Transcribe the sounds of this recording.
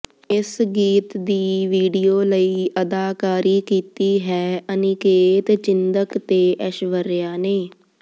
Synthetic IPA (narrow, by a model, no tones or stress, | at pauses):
ɪsɡiːt̪d̪iːʋiːɖiːoːləiːʔəd̪aːkaːɾiːkiːt̪iːɦɛːʔənɪkeːt̪t͡ʃɪnd̪əkt̪eːʔəʃʋəɾjaːneː